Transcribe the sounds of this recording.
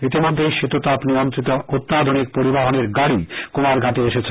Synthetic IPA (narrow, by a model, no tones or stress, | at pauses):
nit̪̬imod̪ʱːejʃet̪ot̪apniomt̪ɾit̪oʔot̪ːad̪ʱonik̚poɾibaɦoneɾɡaɽikomaɾɡʱat̪eeʃet͡ɕʰe